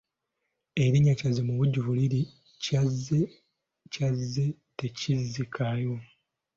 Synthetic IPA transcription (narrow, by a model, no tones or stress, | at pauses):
e̞ɾiɲːacazemuβuɟːuvuliɾi | cazːe | cazːe̞ | te̞cizikʰajo̞